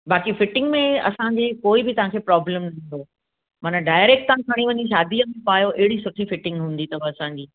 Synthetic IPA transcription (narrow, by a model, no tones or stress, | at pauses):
baːkifɪʈɪ̃ŋɡmẽɐ̰sãɲd͡ʑeːkoːɪbɪt̪ɐʋ̤ãkʰeːpɾɔːbləmnɐɦĩːn̆d̪o | mɐnəɖaːɪɾeːk̚ʈt̪ãːkʰɐɽ̃iʋɐɲiʃ̬aːd̪iəmẽpaːjoʔɪɦɪɽisʊʈʰifɪʈɪ̃ŋɡɦũːn̆d̪it̪ɐbəɐsãːɲd͡ʑiː